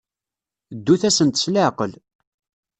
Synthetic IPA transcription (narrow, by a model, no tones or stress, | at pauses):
d̪ːuθæsənt̪sləʕqəl